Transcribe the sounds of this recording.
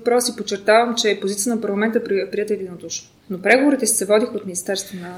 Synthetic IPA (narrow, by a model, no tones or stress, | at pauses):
pɾɔsipott͡ʃːɛɾt̪avəmt͡ʃɛpozit̪sijət̪ənpɐɾlˠɐmɛnt̪əpɾpɾiɛt̪əɛd̪inod̪uʃno | nopɾɛɡovoɾit̪ɛsi̥sɛvɔd̪ixot̪minist̪ɛɾst̪vonə